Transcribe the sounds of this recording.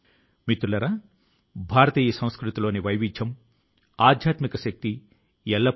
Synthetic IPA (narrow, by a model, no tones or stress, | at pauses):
mit̪ulɐɾaː | bʱaːɾɐt̪iːjɐsɐ̃w̃skɾut̪ilo̞ːniʋɐjʋid͡ʒjɐm | aːd̪ʱjaːt̪mikɐʃɐk̚t̪i | ɛlːɐ